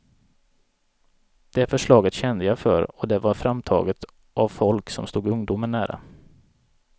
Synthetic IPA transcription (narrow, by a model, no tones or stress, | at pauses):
d̪̥ɛæɾfœʂɭɑːɡət̪ɕɛnd̪əjafœ̰ɾɔd̪ɛvaɾfɾamt̪ʰɑ̰ːɡət̪ | ʔavfɔlksɔmst̪uːɡɵŋd̪ʊməɳːæːɾa̰